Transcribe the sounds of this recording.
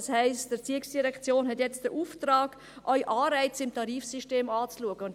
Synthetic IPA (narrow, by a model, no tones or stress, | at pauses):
shɛɪstd̥ət͡siəksd̥iɾɛkt͡sjoːnɦɛtjɛt͡std̥əʔuːftraːɡ̥ | ʔœʏʔɑːɾɛɪt͡sɪmtɑɾiːfsiʃteːmɑːt͡sluəɡəʊnt